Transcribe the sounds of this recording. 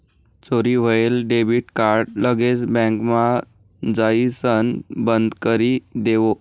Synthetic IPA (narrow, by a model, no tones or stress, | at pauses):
t͡soɾiːʋ̤əelɖebiʈkaɾɖləɡet͡sbɛ̃ŋkma | d͡zaisənbənd̪kəɾiːd̪eʋo